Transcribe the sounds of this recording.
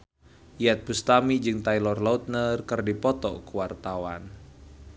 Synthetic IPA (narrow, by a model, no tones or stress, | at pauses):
jat̪̚bust̪amid͡ʒɨŋt̪ailɔrlɔut̪̚nərkɨrdipɔt̪ɔ̰kuwart̪awan